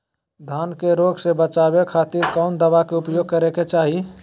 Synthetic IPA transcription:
d̪ʱaːnkeɾoɡsebət͡ʃaːbekʰaːt̪iɾkɔʊnd̪əbakeʊpjoːɡ̚kəɾeket͡ʃaːɦi

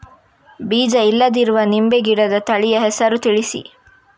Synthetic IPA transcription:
biːd͡ʒɐilːɐd̪iɾuʋɐnimbeɡiɽɐd̪ɐt̪ɐɭijɐɦɛsɐɾut̪iɭisḭ

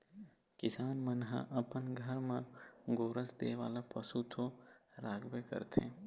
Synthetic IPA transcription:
kɪsaːnmənɦã̰ʔɐpənɡʱəɾmãɡoːɾəsd̪eːʋa̰ːlapɐsut̪ʰoɾaːɡbekə̰ɾt̪ʰḛ̃ː

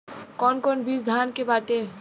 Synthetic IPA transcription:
kɔːnkɔːnbiːsd̪ʱaːnkebaːʈe

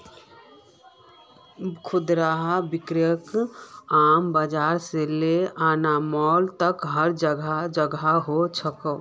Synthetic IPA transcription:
kʰud̪ɾaɦabikɾijəkambəd͡ʒaɾseleanamɔlt̪əkɦəɾd͡ʒəɡʱad͡ʒəɡaɦot͡ʃʰəkəʊ

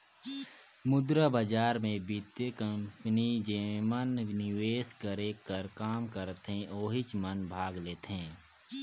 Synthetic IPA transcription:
mʊd̪ɾəbəd͡ʒaːɾmẽbit̪jəkəmpnid͡ʒeːmənnɪweːskəɾekəɾkaːmkəɾt̪ɦẽʔoːɦɪt͡ʃmənbʱaːɡleːt̪ɦẽː

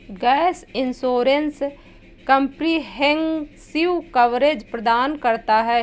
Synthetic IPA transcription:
ɡɛːsɪnsoːɾens | kə̃mpniɦɛ̃ŋɡsɪukɐʋɾed͡ʒpɾəd̪aːnkəɾt̪aɦɛː

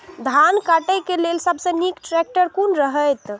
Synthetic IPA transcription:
d̪ʱankaʈəjkelelsəbʱsə̃nikʈɾɛk̚ʈəɾkunɾəɦəjt̪

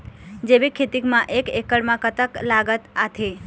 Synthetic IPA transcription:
d͡ʒeʋikʰet̪ikmãʔekekəɽmãkət̪əklaɡət̪at̪ʰe

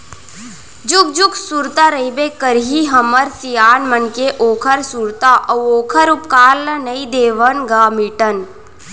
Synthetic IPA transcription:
d͡ʒuk̚d͡ʒuksuɾt̪aɾɐibekəɾɦiɦɐməɾsijaːnmənkeʔoːkʰəɾsuɾt̪aʔɐʋoːkʰəɾup̚kaːlːɐnɐid̪eːʋənɡaːmiʈən

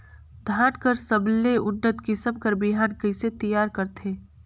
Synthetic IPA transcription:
d̪ʱaːnkəɾsɐbleʊnːət̪kɪsəmkɐɾbɪɦaːnkəɪset̪əjaːɾkɐɾt̪ʰeː

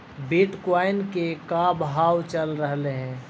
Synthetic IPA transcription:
bɪʈkwaːɪnkekaːbɦaːwt͡ʃəlɾəɦleɦɛ̃ː

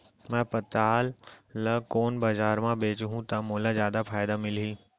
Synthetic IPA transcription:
mɛ̃ːpɐt̪aːlːɐkoːnbaːzaːɾmãbeːt͡ʃɦũt̪ɐmoːlazjaːd̪apʰaːjd̪amɪlɦiː

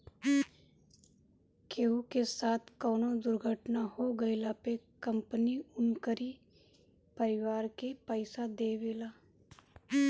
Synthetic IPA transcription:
keːukesaːt̪ʰkɔːnod̪ʊɾɡʱəʈnahoɡɐɪlapekə̃mpəniʊnkəɾi | pəɾɪʋaːɾkepəɪsad̪eːʋeːlaː

